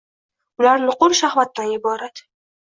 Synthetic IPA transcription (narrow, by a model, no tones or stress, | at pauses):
ʊlaɾnɪqʊɾʃahvat̪̚ːanjɪbɒɾad̪